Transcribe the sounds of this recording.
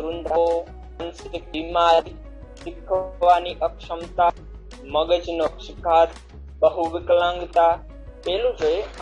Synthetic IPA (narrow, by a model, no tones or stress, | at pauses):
ɾund̪ʱəo | ɐnskimaːɾi | sɪkʰʋaːniʔəkʃəmt̪a | məɡəd͡ʒnokʃɪkaːt̪ | bəɦuʋɪklãŋɡt̪a | peːlũd͡ʒoe